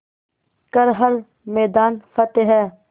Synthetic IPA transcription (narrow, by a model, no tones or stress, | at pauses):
kəɾɦɐɾ | mɛːd̪aːnfɐt̪eɦɛː